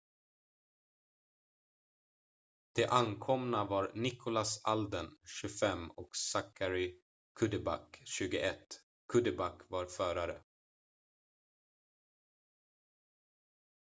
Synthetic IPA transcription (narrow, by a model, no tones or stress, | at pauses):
d̪̥ɛʔankʰɔmnavaɾnɪkʰʊlasald̪ənɕɵfɛmːɔksakʰːaɾɪ | kʰɵd̪əba̰kɕʉ̟ːɡʊʔɛt̪ː | kʰɵd̪əbakːvaɾfœːɾaɾə